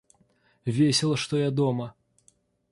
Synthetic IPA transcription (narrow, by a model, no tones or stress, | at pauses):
vʲesʲɪlˠɐʂt̪ɔjad̪ɔmɐ